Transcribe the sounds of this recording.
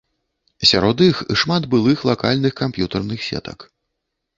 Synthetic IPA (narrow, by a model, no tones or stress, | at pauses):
sʲaɾɔd̪ixiʂmad̪bɨlˠɨxlˠakalʲnɨxkampjut̪ɐrnɨxsʲɛ̰t̪ɐ̰k